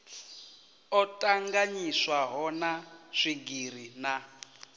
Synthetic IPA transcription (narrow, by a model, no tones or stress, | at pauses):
ɔtʼaŋɡaɲiswaɦɔnaʂiɡir̤ina